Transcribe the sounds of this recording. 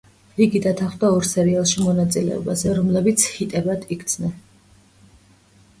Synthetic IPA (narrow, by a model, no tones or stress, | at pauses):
iɡid̪at̪ʰaχwd̪aɔɾsɛɾialˠʃimɔnat̪sʼilɛ̰ɔ̰bazɛɾɔmlɛbit̪sʰhit̪ʼɛbad̪ikʰt̪sʰnɛn